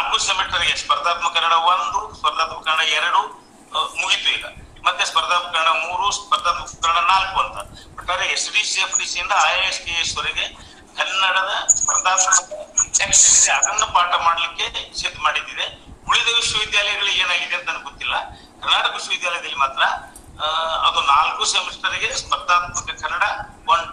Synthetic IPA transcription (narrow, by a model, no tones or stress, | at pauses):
ɐkusemeʈːɐɾɡespɐɾd̪aːt̪mɐkɐɾɐɳɐʋond̪uspɐɾd̪aːt̪mɐkɐɾɐɳɐɛɾɐɽu | muɡit̪uilːɐ̰ | mɐt̪ːespɐɾd̪aːpɐkɐɾɐɳɐmuːɾuspɐɾd̪aːt̪mɐkɐɾɐɳɐnaːlkuɐnt̪ɐbɐʈːaːd̪eesɖiːsiepʰɖiːsiind̪ɐaːjeskeesɐɾiɡe | kɐnːɐɽɐd̪ɐspɐɾɐd̪aːpkɐɐɐemsʈɐeɐd̪ɐnːupaːʈɐmaːɽɐlikːe̞sed̪maːɽid̪ːid̪e̞uɭid̪ɐɡusuʋid̪jaːlɐjɐɡɐɭueːnaːɡid̪eːnt̪ɐnːɡot̪ːilːɐ̰ | kʰɐɾnaːʈɐkɐsuʋid̪jaːlɐjɐd̪ɐlːimaːt̪ɾɐ | ɐd̪unaːlkusemisʈɐɾiɡe̞spɐɾd̪aːpkɐnt̪ːekʰɐɾːɐɽɐoɳɖ